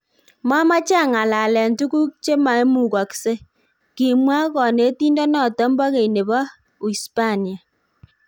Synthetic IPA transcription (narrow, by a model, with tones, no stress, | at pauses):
ma˦ma˦t͡ʃa˦˨ŋa˨la˨lɛ˨ntu˦ku˦k̚t͡ʃe˦ma˨e˦mu˦˨ka˨kse˦ | ki˨mwa˦kɔ˨ne˨˦ti˦ndɔ˦nɔ˦˨tɔ˨˦mbɔ˦ke˨ine˨ba˦ | wi˨spa˦ni˨a˨